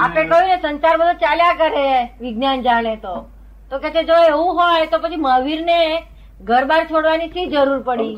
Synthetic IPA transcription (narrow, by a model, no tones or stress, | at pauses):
apekəjũnesənt͡ʃaɾbəd̪ʱot͡ʃaljakəɾeʋɪɡnand͡ʒaɽ̃et̪o | t̪oket͡ʃed͡ʒoeʋũɦojt̪opət͡ʃʰiməʋiɾne | ɡʱəɾbaɾt͡ʃʰoɽʋanit̪ʰid͡ʒəɾuɾpəɽi